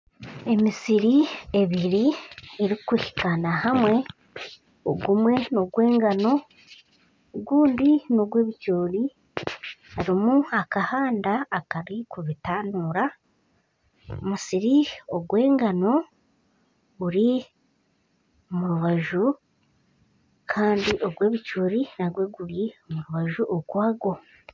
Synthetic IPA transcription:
e̞misiɾieβiɾieɾikihi̥kanahamwe̞ | oɡumwe̞noɡwe̞ːŋɡano̞ | ɡuːndinoɡwe̞ːβicoːɾi | aɾimuakahaːndaːkaɾikuβitaːnuːɾa | omusiɾioɡwe̞ːŋɡano̞ | ɡuɾi | muɾuβaʒu | kʰaːndiʔo̞ɡwe̞ːβicoːɾinaɡwe̞ɡuɾjimuɾuβaʒuʔoɡwaːɡo̞

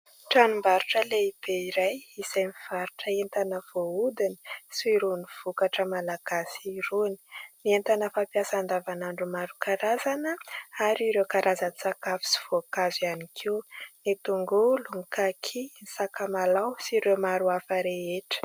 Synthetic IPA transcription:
ʈ͡ʂanumbaɾuʈ͡ʂəleib̥eiɾajisajmiv̥aɾu̥ʈ͡ʂəent̪anəv̥oud̪ini̥siɾuniv̥ukaʈ͡ʂəmalaɡ̥asiːɾuni̥nient̪anəfapjasand̪avanaɳɖ͡ʐumaɾukaɾazanəaɾiɾewkaɾʔazənt͡sakafi̥si̥v̥okazianikʰiwnit̪uŋɡuluŋikakʰinisakamalawsiɾewmaɾuafəɾeeʈ͡ʂə̥

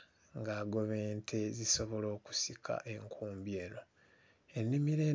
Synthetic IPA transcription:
ŋɡaːɡo̞βeːntʰe̞ziso̞βo̞lo̞ːku̥sikʰa̰ʔe̞ŋkʰuːmbie̞ːno̞ | enːimiɾe̞

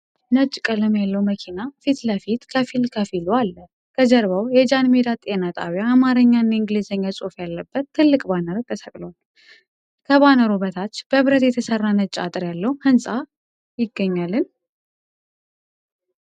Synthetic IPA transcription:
nət͡ʃʼːkʼələmjalːəwməkʰinafit̪ləfit̪kʰəfilkʰəfilualːə | kʰəd͡ʒəɾβawjɛd͡ʒanmed̪at̪ʼenat̪ʼa̰wjaːmaɾəɲːanːaɨŋɡlizəɲːasʼofjalːəbːət̪ʰːɨlːɨkʼbanəɾt̪ʰːəsəkʼlwal | kʰəβanəɾuβət̪ʰat͡ʃːb̥əβɾət̪jɛt̪ʰəsərːanət͡ʃʼːa̰t̪ʼɨɾjalːəhuhɨnsʼa | jɪɡːəɲːalːɨn

